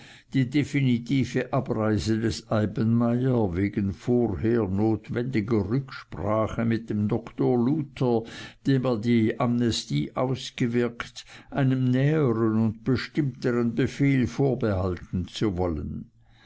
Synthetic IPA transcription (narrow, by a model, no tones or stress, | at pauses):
d̥iːdefinitʰiːfəʔab̥ʁaɪzədɛsaɪbənmaɪɐveːɡənfoːʁheːɐnoːtvɛndɪɡɐʁʏkʃpʁ̥aːχəmɪt̚d̥emdɔktoːɐluːtʰɐd̥eːmɛːɐdiːʔamnɛstiːʔaʊsɡ̥əvɪɐktʔaɪnəmnɛːəʁənʊnt̚b̥əʃtɪmtəʁənbəfeːlfoːɐbəhaltn̩t͡suvɔlən